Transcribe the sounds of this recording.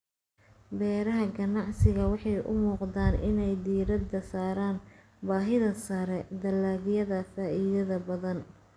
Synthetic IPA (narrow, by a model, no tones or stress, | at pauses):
bɛːɾɐɦɐɡɐnɑʕsɪɣɐwɑħɑjʔʊ̰muːqd̪aːnʔɪ̰nɛjd̪iːɾɐd̪ɐsaːɾaːn | baːɦɪðɐsɐɾɛd̪ɐlaːɣɪjɐðɐfaːʔiːðɐðɐbɐðɐn